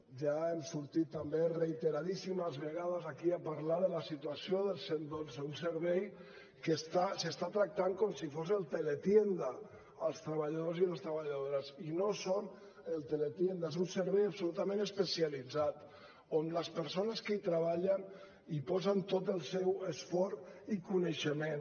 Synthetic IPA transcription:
ʒaemsuɾt̪it̪ːambereit̪eɾaðisiməzβeɣað̞əzakiapaɾlaðəlasit̪uasijoðəlˠsend̪oseunsəɾβɛj | kest̪asest̪at̪ɾak̚t̪aŋkomsifozelˠt̪elet̪jend̪aː | lˠst̪ɾəβaʎaðoziləst̪ɾəβaʎaðoɾəzinoson | əlˠt̪elet̪jend̪aezunsəɾβɛjapsulut̪amẽnəspəsialid͡zat̪ | onləspəɾsonəskəit̪ɾəβaʎən | ipɔzənt̪ot̪əlˠsɛwəsfɔɾikuneʃəmẽn

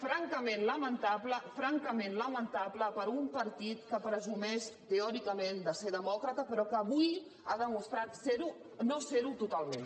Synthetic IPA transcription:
fɾaŋkəmẽnləmənt̪apləfɾaŋkəmenləmənt̪apləpəɾumpəɾt̪it̪kəpɾəzumɛʃt̪eɔɾikəmend̪əseɾðəmɔkɾət̪əpəɾɔkəːβuj | aðəmust̪ɾat̪seɾu | noseɾut̪ut̪alˠmẽn

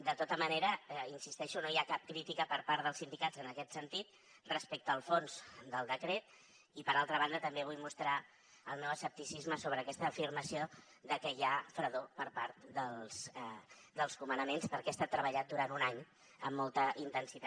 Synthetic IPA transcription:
d̪ət̪ot̪əməneɾəinsist̪ɛʃunoiakap̚kɾit̪ikəpəɾpaɾt̪ðəlˠsind̪ikad͡zzənəkɛt̪sənt̪it̪̚ | rəspɛk̚t̪əːlˠfonzd̪əlˠd̪əkɾet̪ | ipəɾalˠt̪ɾəβ̞and̪ət̪əmbeβ̞ujmust̪ɾa | əlˠmewəsəp̚t̪isizməsoβ̞ɾəːkɛst̪əːfirməsio | ðəkəjafɾəðopəɾpaɾt̪d̪əlˠs | d̪əlˠskumənəmenspəɾkɛast̪at̪ːɾəβ̞əʎat̪̚d̪uɾant̪unaɲ | əmːɔlˠt̪əʔint̪ənsit̪a

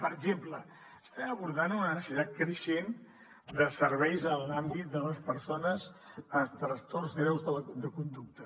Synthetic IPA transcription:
pəɾəɡʒemplə | əst̪ɛməβuɾðanunənəsit̪at̪̚kɾəʃen | d̪əsəɾβɛjzəlambit̪̚d̪ələspəɾsonəzət̪ɾəst̪orzɣɾɛwzðələd̪əkund̪uk̚t̪ə

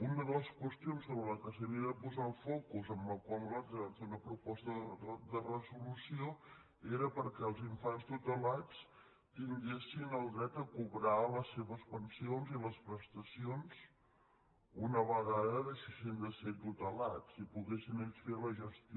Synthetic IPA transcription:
unəðələskwəst̪ionsoβɾələkəs̬əβiəðəpuzalˠfɔkuzəmbəlˠkwalˠlaseunəpɾupɔst̪əd̪ərəzulusio | eɾəpəɾkɛəlˠziɱfanst̪ut̪əlat͡s | t̪iŋɡesinəlˠd̪ɾɛt̪əkuβɾaləsːeβəspənsionziləspɾəst̪əsionz̥ | unəβəɣaðəðəʃisend̪əsɛt̪t̪ut̪əlat͡sipuɣesineʎsfeləʒəst̪

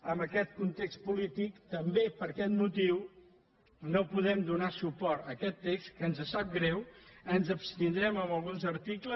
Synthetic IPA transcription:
əmbəkɛt̪̚kunt̪ekst̪̚pulit̪ikt̪əmbepəɾkɛt̪mut̪iw | nopuðɛmd̪unasupɔɾt̪əkɛt̪ːekskənzəsap̚ɡɾɛwənzəpst̪ind̪ɾɛməməlˠɣunzəɾt̪iklə

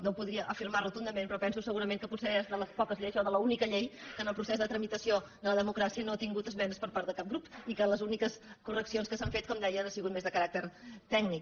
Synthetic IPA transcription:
nowpuðɾiəʔəfiɾmarət̪und̪əmenpɾɔpɛnsusəɣuɾəmeŋkəput̪sezðələspɔkəzʎeʒɔðələunikəʎejkənəlˠpɾusezðət̪ɾəmit̪əsioðələðəmukɾasiənoat̪iŋɡut̪əzmɛnəspəɾpaɾt̪əkap̚ɡɾupikələzunikəskurəksionskəsaɱfet̪̚kɔmd̪ɛjənasiɣut̪̚mezðəkəɾak̚t̪əɾt̪ɛɡnik

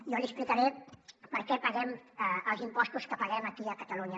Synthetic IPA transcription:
jɔliəsplikəɾepəɾkɛpəɣɛməlˠzimpɔst̪uskəpəɣɛməkiəkət̪əluɲə

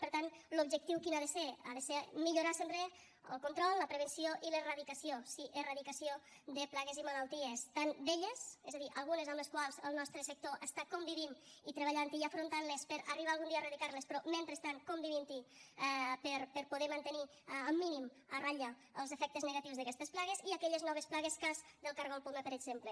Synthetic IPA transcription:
pəɾt̪anlubʒək̚t̪iwkinaðəsea̰ðəsemiʎuɾasempɾe | ə̰lˠkont̪ɾɔlˠːəpɾəβ̞ənsioʔiləraðikəsiosiʔəraðikəsio | d̪əplaɣezimalalˠt̪iest̪and̪eʎesɛzaðiʔəlˠɣunəzəmləskwalˠzəlˠnɔst̪ɾəsək̚t̪oʔəst̪akombiβinit̪ɾəβ̞aʎant̪iafɾont̪anlespəɾəriβaːlˠɣund̪iarəðikaɾlespɾɔment̪ɾəst̪ankombiβint̪i | pəɾpəɾpuðeɾmənt̪əni | əmːinim | əraʎa | əlˠzəfɛk̚t̪əznəɣat̪iwzðəkɛst̪əsplaɣeziakɛʎəznɔβ̞esplaɣeskazd̪əlˠkaɾɣompuməpəɾəɡz̥emplə

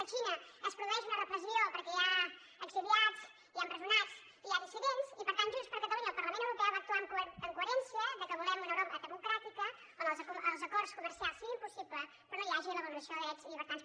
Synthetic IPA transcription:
ət͡ʃinəəspɾuðuɛʒunərəpɾəziopəɾkɛa | əkziðiat͡s | ianrəzulnat͡s | iaðisiðensipəɾt̪anʒunspəɾkət̪əluɲəːlˠpəɾləmẽnt̪əwɾupɛwβaəːk̚t̪uaŋkəŋkueɾɛnsiəðəkəβulɛmunəwɾoəd̪əmukɾat̪ikə | onzuəlˠzəkɔɾskuməɾsialˠsiɣimpusiplə | pɾɔnojaʒiunəβəlˠuəsijoðəkɛzliβəɾt̪ans

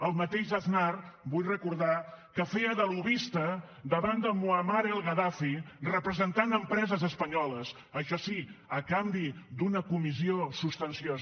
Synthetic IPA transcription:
əlˠmət̪eʒəθnarbujrəkuɾð̞akəfeəðəluβist̪ə | d̪əβand̪əmuəmaɾelˠɣəðafirəpɾəzənt̪anəmpɾɛzəzəspəɲɔləs | əʃɔsiəkambid̪unəkumiziosust̪ənsioz

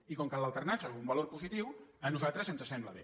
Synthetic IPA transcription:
ikoŋkalːalˠt̪əɾnasaumbaloɾpuzit̪iwənuzalˠt̪ɾəzənzəsɛmbləβ̞e

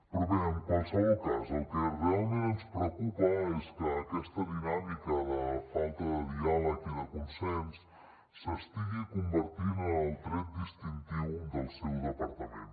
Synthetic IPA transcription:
pɾuβɛmənsəɣukazəlˠkərɛlˠmenspɾəwkupəeskəːkɛst̪əðinamikəðəfalˠt̪əðəðialəkiðəkunsɛnsː | əst̪iɣikumbəɾt̪inənəlˠt̪ɾɛt̪̚d̪ist̪int̪iwðəlˠsɛwd̪əpəɾt̪əmḛ̃n

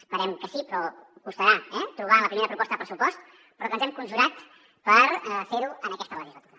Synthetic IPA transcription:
əspəɾɛmkəsipɾɔkust̪əɾaɛt̪ɾuβ̞aləpɾimeɾəpɾupɔst̪əðpɾəsupɔst̪ | pɾɔkənzɛmkunʒulat̪ | pəɾfeɾuənəkɛst̪ələʒizlət̪uɾə

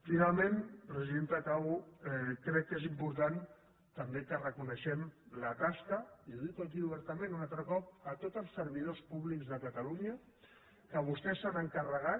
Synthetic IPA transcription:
finalˠmẽnpɾəziðent̪ək̪awuɛkɾɛkːezimpuɾt̪an | t̪əmbekərəkunəʃɛmlət̪askəiðit̪uəkiuβəɾt̪əmẽnunalˠt̪ɾəkɔp̚ət̪ot̪əlˠsːəɾβiðospuβlikzðəkət̪əluɲə | kəβ̞ust̪ɛsanəŋkərəɣa

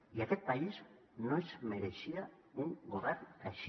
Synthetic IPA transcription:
iaket̪̚paiz | noezmeɾesia | uŋɡoβeɾnaʃ

